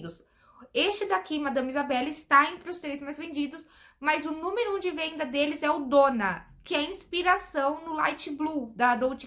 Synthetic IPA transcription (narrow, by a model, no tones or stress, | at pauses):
d̪ʊs | est͡ʃɪd̪akimad̪ɐ̃mizabɛlɪst̪aẽnt̪ɾɪʊst̪ɾejzmajzvẽnd͡ʒid̪ʊs | mɐzʊnũmeɾʊõd͡ʒɪvẽnd̪ɐd̪elɪzɛʊd̪õnɐkɪɛĩspiɾasɐ̃w̃nʊla̰jt͡ʃɪblud̪ɐd̪õwt͡ʃi